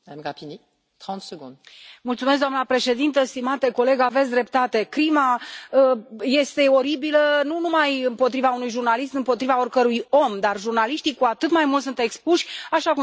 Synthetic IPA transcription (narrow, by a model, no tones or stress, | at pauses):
mad̪amɡapini | t̪χɑ̃t̪səɡɔ̃d̪mult̪sumes̬ɡd̪oanəpɾe̞ʃe̞d̪int̪əst̪imat̪eko̞le̞ɡavesʲd̪ɾe̞p̚t̪at̪e̞kɾimaəje̞st̪e̞o̞ɾibilənunumajɨmpo̞t̪ɾivaunujʒurnalismɨmpo̞t̪ɾivao̞rkəɾujo̞md̪arʒurnaliʃt̪ikuat̪ɨt̪majmult̪sunt̪e̞kspuʃʲaʃaku